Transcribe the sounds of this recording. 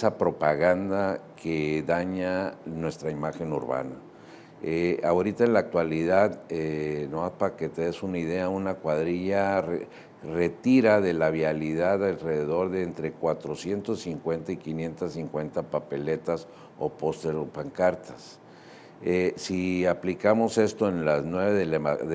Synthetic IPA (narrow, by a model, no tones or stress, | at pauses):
esapɾo̞paɣand̪akʰeðaɲanwe̞st̪ɾaimaxe̞nṵɾβa̰na | eaoɾit̪aenlaːk̚t̪waliðaðenoaspake̞t̪e̞ðesunaiðe̞aunakwaðɾiʝare | re̞t̪iɾaðe̞laβjaliðaðalre̞ðe̞ðo̞ɾðe̞ːnt̪ɾe̞kwat̪ɾo̞sje̞nt̪o̞sːiŋkwe̞nt̪aikinje̞nt̪asːiŋkwe̞nt̪apape̞le̞t̪as | o̞po̞st̪eɾopaŋkaɾt̪ʰḁs | esiaplikamo̞se̞st̪o̞enlaznwe̞βeðelað